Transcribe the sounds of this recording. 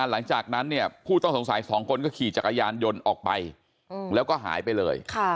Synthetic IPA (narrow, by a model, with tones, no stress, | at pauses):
nla˩˦ŋt͡ɕaː˨˩k̚na˦˥nːi˥˩ɐpʰuː˥˩t̪ɔ˥˩ŋso˩˦ŋsa˨˦jsɔː˩˦ŋkʰo˧nkɔː˥˩kʰiː˨˩t͡ɕa˨˩kːa˧jaː˧njo˧nʔɔː˨˩k̚pa̰˧j | lɛː˦˥wkɔː˥˩ɦa̰ː˩˦jpa˧jlɤ̰ː˧jkʰa˥˩